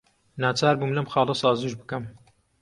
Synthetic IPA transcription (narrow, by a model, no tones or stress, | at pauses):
naːt͡ʃaːɾbuːmlɐmxɑːlˠɐsˤɑːzɨʒbɨkɐm